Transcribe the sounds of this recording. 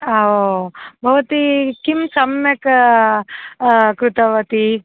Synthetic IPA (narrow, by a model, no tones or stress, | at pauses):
aobʱɐʋɐt̪ikimsɐmjek | kɾut̪ɐʋɐt̪i